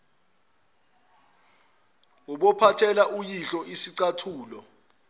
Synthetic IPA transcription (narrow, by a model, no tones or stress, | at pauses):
wɔɓɔpʰatʰɛlaujiɬɔʔisiǀatʰuːlɔ